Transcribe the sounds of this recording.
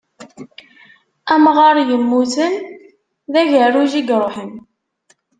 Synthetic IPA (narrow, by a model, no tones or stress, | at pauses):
æmʁɑɾˤjəmːuθən | ðæʝəruʒiɡɾˤoħəm